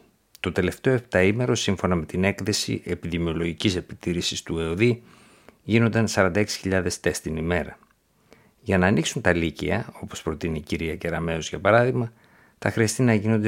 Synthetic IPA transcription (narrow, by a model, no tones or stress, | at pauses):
t̪o̞t̪e̞le̞ft̪e̞o̞ept̪ɐime̞ɾo̞siɱfo̞nɐme̞t̪ine̞kθe̞sḭʔe̞piðimio̞lo̞ʝicise̞pi̥t̪iɾisist̪ue̞oði | ʝino̞nd̪ɐnsɐɾɐnd̪ɐe̞ksi̥çiʎɐðe̞st̪e̞st̪inime̞ɾɐ | ʝɐnɐːniksunt̪ɐlicḭɐ̰o̞po̞spɾo̞t̪iniciɾiɐceɾɐme̞ozʝɐpɐɾɐðiɣmɐ | θɐxɾiɐst̪inɐʝino̞nd̪e